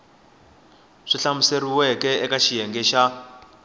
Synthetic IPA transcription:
ʂiɬamuseriwɛkɛɛkaʃijɛŋɡɛʃa

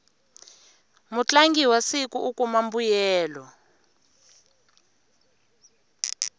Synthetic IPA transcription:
mut͡ɬaŋɡiwasikʼuʔukʼumambujɛːlɔ

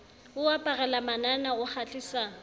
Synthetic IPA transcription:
ʊapʼarɛlamananaɣʊk͡xʰat͡ɬisa

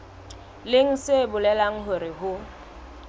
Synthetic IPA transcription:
lɪŋ̩sebʊlɛlaŋ̩ɦʊɾɪhʊ

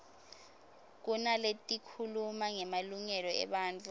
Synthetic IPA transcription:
k̬unaletʼikʰulumaŋɛmaluŋɛlɔɛ̰ɓaːnt͡fʰʼu

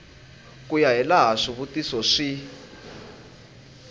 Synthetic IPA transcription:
kujaɦɛlaɦaʂiβutisɔʂi

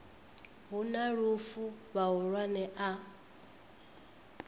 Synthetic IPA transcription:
ɦunaɺufuβaɦuɺwanɛʔa

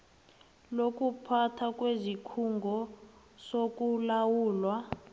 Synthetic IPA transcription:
lok̬ʼupʰatʰak̬ʼwezikʰuŋɡʱɔ | sok̬ʼulawuːlwa

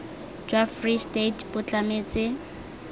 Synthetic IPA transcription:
d͡ʒwafristetbʊt͡ɬʼameːt͡sʼɪ

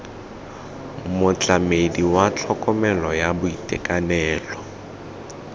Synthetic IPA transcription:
mʊt͡ɬʼamediwat͡ɬʰɔkʼɔmɛlɔjabʊitʼɛkʼanɛːlɔ

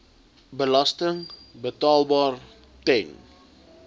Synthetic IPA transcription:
bəlɐstəŋbətɑːlˠbɑːr | tɛn

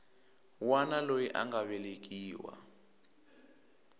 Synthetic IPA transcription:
wanalojiʔa̰ŋɡaβɛlek̬iːwa̰

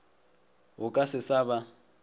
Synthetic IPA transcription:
ɦʊkʼasɪsaβa

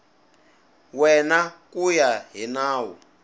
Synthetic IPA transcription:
wɛnakujaɦinaːwɔ

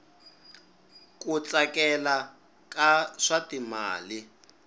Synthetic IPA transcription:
kʼut͡sakɛla | kaʂatima̰ːli

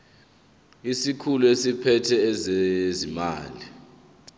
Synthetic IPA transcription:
isikʰuluesipʰɛtʰɛːzezima̰ːli

